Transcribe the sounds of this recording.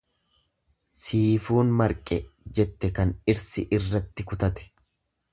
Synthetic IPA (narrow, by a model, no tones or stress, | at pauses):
siːfuːnmɐɾkʼɛd͡ʒɛt̪ːɛkɐnɪɾsɪʔɪrːɐt̪ːɪkʊt̪ɐt̪ɛ̥